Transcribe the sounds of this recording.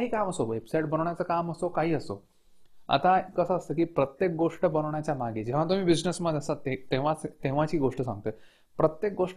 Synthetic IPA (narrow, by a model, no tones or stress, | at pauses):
aɦiːkaməsoʋepsajʈ̚bənəʋɳjat͡səkaməsokaɦiːəso̰ | a̰t̪akəsəəst̪əːkiːpɾət̪jek̚ɡoʂʈəbənəʋɳjat͡ɕjamaɡed͡ʑeʋ̤at̪um̤iːbid͡ʑnəsməd̪əsat̪et̪eʋat͡st̪eʋ̤at͡ɕiːɡoʂʈəsã̰ŋɡ̚t̪əː | pɾət̪jek̚ɡoʂʈ